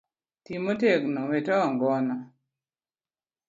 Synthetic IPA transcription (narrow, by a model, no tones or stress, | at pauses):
timoteknɔwetɔŋɡɔnɔ